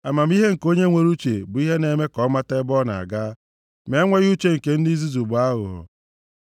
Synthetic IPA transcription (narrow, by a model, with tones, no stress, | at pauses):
a˨ma˨m̩˦i˦ɦe˦ŋ̩˨ko˦ɲe˦ŋʷe˦ɾu˦t͡ʃe˨bʊ˨i˦ɦe˦ne˨me˦kɔ˨˦ma˦te˦bɔ˦na̰˨a̰˨ɡa˦ | me˨˦ŋʷe˦ɣu˦t͡ʃe˦ŋ̩˨ke˨n̩˦di˦zi˦zu˨bʊ˨a˦ɦʊ˨ɦʊ̰˨